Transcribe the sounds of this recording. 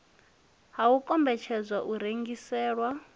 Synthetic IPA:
ɦaukʼɔmbɛt͡ʃʰɛd͡zʷwaʔuɾeŋɡisɛːɺwa

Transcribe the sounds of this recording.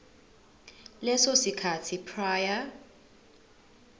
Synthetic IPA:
lɛsosikʰatʰipʰraːja

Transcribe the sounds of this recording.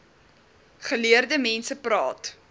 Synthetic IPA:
χəliərdəmɛnsəprɑ̰ːt

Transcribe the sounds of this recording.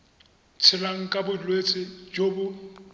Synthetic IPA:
t͡sʰɪlaŋ̩kʼabʊdilwet͡sʼɪd͡ʒobʊ

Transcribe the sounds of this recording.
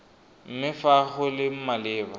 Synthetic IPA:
m̩mɪfaχʊlɪm̩malɪːba

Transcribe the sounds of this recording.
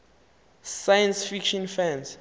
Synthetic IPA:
sajɛ̃nsfikʃɔ̃nfãnz

